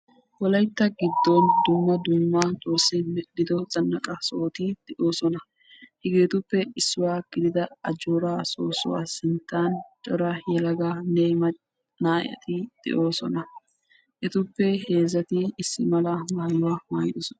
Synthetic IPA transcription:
wɔlɐjt̪ːɐɡɪd̪ːɔnd̪ʊmːɐd̪ʊmːɐt͡s̪ʼoːsːɛmɛɗːɪd̪ɔzɐnːɐkʼɐso̞ːt̪ɪd̪̥ɛʔo̞ːsɔnɐ | hɪɡe̞ːt̪ʊpːɛɪsːʊwaːɡ̥ɪd̪ɪd̪ɐɐd͡ʒoːɾaːsoːsʊ̰wa̰ːsɪnt̪ːaːnt͡ʃʼɔɾajɛlɐɡaːnemɐ | naːʔɪ̰ɐ̰t̪ɪd̪̥ɛ̰ʔo̞ːsɔ̰nɐ | ʔɛt̪ʊpːɛhe̞ːzɐt̪ɪɪsːɪmɐlɐmaːjʊwamaːjd̪ɔsɔnɐ

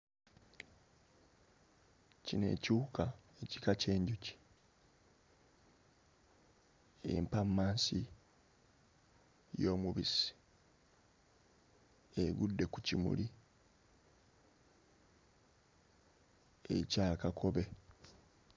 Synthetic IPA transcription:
cine̞̰ːcuːkae̞ci̥kace̞ːɲɟuci̥ | ḛmpamːaːnsi | jo̞ːmuβisi̥ | e̞ɡudːe̞kucimṵli | ḛcaːkakʰo̞βe̞

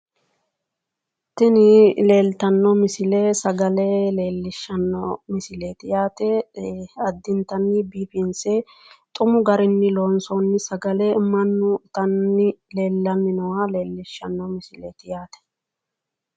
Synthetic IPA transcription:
t̪ɪnɪle̞ːlt̪ɐnːɔmɪsɪleːsɐɡɐleleːlːɪʃːɐnːɔmɪsɪleːt̪ɪjaːt̪ɛ | ɐd̪ːɪnt̪ɐnːɪbiːpɪnse | t̪ʼʊmʊɡɐɾɪnːɪloːnsɔnːɪsɐɡɐlɛmːɐnːʊt̪ɐnːɪle̞ːlːɐnːɪnɔwale̞ːlːɪʃːɐnːɔmɪsɪleːt̪ɪjaːt̪ɛ̥

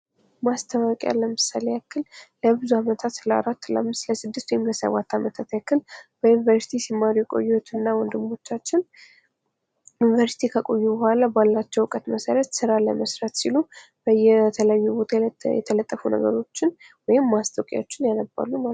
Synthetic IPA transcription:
mast̪ʰəmakʼja̰lːəmɨsalejakːɨlləbɨzuamət̪ʰat̪ləa̰ɾat̪ːla̰mːɨsləsɨd̪ːɨst̪wɔjɪmləsə̰βat̪ʰːamət̪ʰat̪jakːɨlb̥əjunivəɾsi̥t̪ʰisimːaɾujɛkʼo̞̰jːwot̪ʰɨnːawɔnd̪ɨmo̞t͡ʃːat͡ʃːɪn | junivəɾsi̥t̪ʰikʰəkʼo̞jːubəhʷalabalːat͡ʃːɛwɨkʼət̪məsəɾət̪sɨɾalə̰məsɾət̪silu | b̥əjɛt̪ʰələajːubo̞t̪ʰajɛ̰t̪ʰələt̪ʼːəfunə̰ɡə̰ɾo̞t͡ʃːɪnwɔjɪmːast̪ʰʼəwkʼja̰ot͡ʃːɪnjanəba̰lːuma

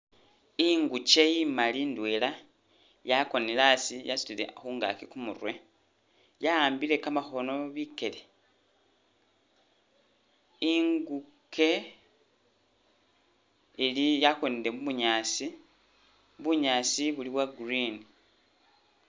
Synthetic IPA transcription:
iŋɡut͡ʃeimalindwe̞la | jako̞nelasijasu̥lilḛaxuːŋɡa̰kikumṵrwe̞ | jaaːmbile̞kamaxo̞no̞βike̞le̞ | iŋɡukʰe̞ | ilijakonile̞muβuɲaːsi | βuɲaːsiβuliβwaɡrini

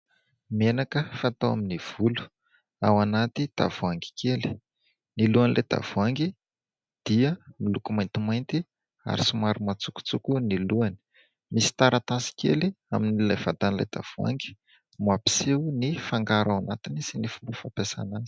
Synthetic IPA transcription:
menakəfaat̪awa̰miniv̥ulu̥ | a̰wanat̪id̪̥a̰vuaŋɡi̥kʰeli̥ | niluanilʔed̪̥a̰v̥uaŋɡi | d̪̥iəmilukumajnt̪imajnt̪i | a̰ɾisumaɾumat͡suku̥t͡sukuniluani̥ | misi̥t̪aɾʔat̪asi̥kʲḛlia̰minilajvad̪anla̰jd̪̥a̰v̥ua̰ŋɡi̥ | muapi̥sewnifaŋɡaɾawanat̪inisinifumbufapesa̰nani̥

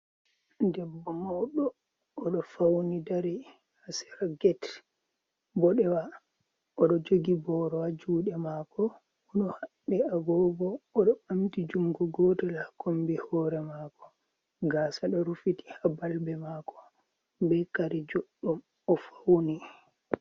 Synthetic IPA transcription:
dɛbːɔmɔɗɔː | ɗɔfawnidaɾɛ | hasɛ̥ɾaɡɛt | bɔɗɛwa | ɔɗɔd͡ʒoɡibɔɾɔad͡ʒuːɗɛmakɔ | ɔɗɔhaɗːɛaɡɔːbɔːɗɔɓamtid͡ʒuŋɡɔɡɔːtɛlakombihɔɾɛmaːkɔ̥ | ɡaːsaɗɔɾufiti̥habalbɛmakɔ̥ | bɛkaɾɛd͡ʒɔɗːum | ɔfawni

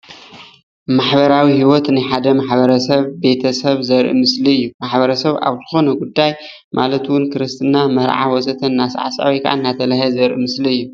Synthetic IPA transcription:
maħbɐɾawihiwot̪nɨħad̪ɐmaħbɐɾɐsɐβbe̞t̪ʰɐsɐβzɐɾʔḭmɨsliɨjːumaħbɐɾɐsɐβa̰βzɨxo̞nɐɡud̪ːaj | mʔalɐt̪wʊnkʰɨɾɨst̪ʰɨnamɐɾʕa̰wɔsɐt̪ʰɐnnːasʕa̰sʔa̰wjka̰ʔa̰nːat̪ʰɐlahɐzɐɾʔimɨsliɨjːu

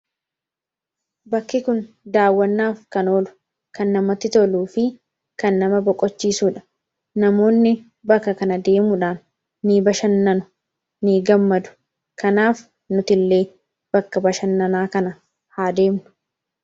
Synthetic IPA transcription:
bɐkːɪkʊn | d̪aːwːɐnːaːfkɐno̞ːlʊ̥ | kɐnːɐmɐt̪ːɪt̪ɔluːfɪ | kɐnːɐmɐbɔkʼɔt͡ʃːiːsuːᶑɐ̥ | nɐmo̞ːnːɪ | bɐkːɐkɐnɐd̪e̞ːmʊᶑaːnː | iːbɐʃɐnːɐnʊ̥ | niːɡɐmːɐd̪ʊ̥ | kɐnaːf | nʊt̪ɪlːe̞ː | b̥ɐkːɐbɐʃɐnːɐnaːkɐnɐ | haːd̪e̞ːmnʊ̥

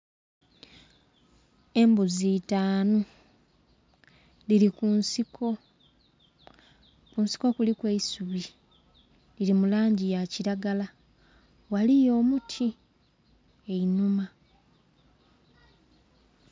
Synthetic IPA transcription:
e̞mbuzitaːno | lilikunsiko | kunsi̥ko̞kulikwe̞isuβi | lilimulaːɲɟijaciɾaɡala | walijo̞ːmutʰi | einuma

